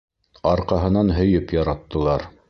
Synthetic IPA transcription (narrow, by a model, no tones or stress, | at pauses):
ɑɾqɑɦɤ̆nɑnɦɵ̆jɵpjɑɾɑt̪ːɤ̆lˠɑɾ